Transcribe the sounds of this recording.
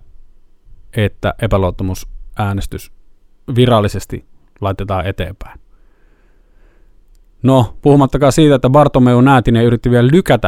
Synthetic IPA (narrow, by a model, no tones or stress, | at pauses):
ʔet̪ːæ̰ʔepæloˑot̪ːɑmusʔæːnest̪ys | ʋirɑlːisest̪ḭ | lɑˑet̪et̪ɑːet̪ḛːmpæˑen | nopuhumɑt̪ːɑkɑːsiːt̪æet̪ːæʋɑrt̪ːomeˑunæˑːt̪ineʔyrit̪ːiʋiellykæt̪æ